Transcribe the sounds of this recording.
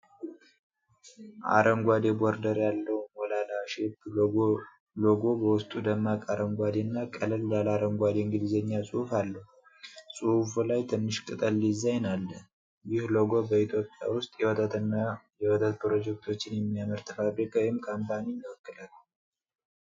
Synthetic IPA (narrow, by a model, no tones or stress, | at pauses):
ʔa̰ɾəŋɡʷad̪e̞boɾd̪əɾjalːəwɔlalaʃeb | loɡo̞bəwʊst̪ʼud̪əmːakʼaɾəŋɡʷad̪enːakʼələljalaɾəŋɡʷad̪eŋɡɨd̪izeɲːasʼɨhufalːəh | sʼuhfulajt̪ʰɨnːɨʃkʼɨt̪ʼəlːizːajnalːə | jɪhloɡo̞bəit̪ʰjo̞pʼja̰wʊst̪ʼjɛw̪najɛwɔt̪ʰət̪pɾo̞d͡ʒɛk̚t̪ʰo̞t͡ʃːɪnjɛmːijaməɾt̪ʰfabɾikʰawɔjɪmkʰampaninəwɔkːɨlal